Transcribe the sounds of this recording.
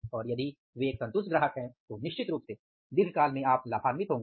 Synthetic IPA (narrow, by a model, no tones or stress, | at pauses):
ɔːɾjɐd̪i | ʋeːksɐ̃nt̪ʊsɡɾəɦəkɦɛ̃t̪onɪʃt͡ʃɪt̪ɾuːp̚t̪eː | d̪ɪɡʰkaːlmẽaːplaːpʰaːnmɪt̪ɦõːŋɡː